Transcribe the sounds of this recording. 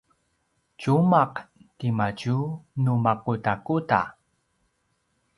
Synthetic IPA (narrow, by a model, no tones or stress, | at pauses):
t͡ɕumaqtimacunumakutakuta̰